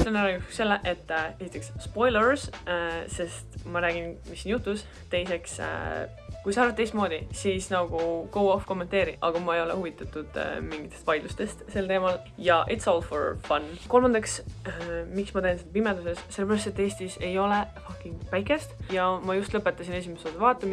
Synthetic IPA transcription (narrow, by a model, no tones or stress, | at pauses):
seonæɾɑɡu̥se̞lːeʔe̞t̪ːe̞sit̪ˑːeksspo̞jleɹsse̞st̪mɑɾæːɡ̥inmisːinjut̪ːˑus | t̪e̞jse̞ks | kujsɑɑːɾvɑt̪ːejst̪mo̞ːd̪isiːsnɑɡ̥uko̞wofko̞mːet̪e̞ːɾiʔɑ̰ɡ̥ɑmɑejo̞lehuvit̪ːˑɑt̪ːˑud̪̥̰miŋɡit̪ːest̪vɑjd̪lust̪e̞st̪se̞lt̪e̞ːmɑl | jɑʔet̪solfḛɹfɑnko̞lmɑnd̪ɑks | miksmɑt̪ensed̪̚pimed̪use̞sse̞lebæɾɑst̪et̪ːe̞ːsʲt̪ise̞jo̞lefɑkːˑiŋɡ̥pæjke̞st̪jɑmɑjust̪lɤpːˑe̞t̪ːˑɑsine̞s̬imesod̪̥uvɑːt̪ːˑɑm